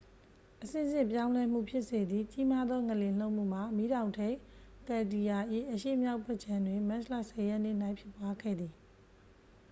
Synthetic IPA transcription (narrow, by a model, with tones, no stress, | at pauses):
ʔəsɪ̰̃˦˨zɪ̃˦˨pjã˦ʊ̃lɛ˦m̥ṵ˦˨pʰjɪ˦ʔse˨d̪ði˦˨t͡ɕi˦ma˦d̪ðɔ˦ŋə˨lɪ̃˨l̥o˦ʊʔm̥ṵ˦˨m̥a˨mi˦ɾã˨ʊ̃ntʰẽ˦kɛ˨di˨ja˨ʔḭ˦˨ʔəʃḛ˦˨mja˦ʊpʰɛ˦ʔt͡ɕʰã˦ndwɪ̃˨ma˦slä̰˦˨sɛ˨jɛ˦ʔn̥ɪ̰˦˨na˦ɪ̃pʰjɪ˦˨pwa˦ɡɛ̰˦˨d̪ði˨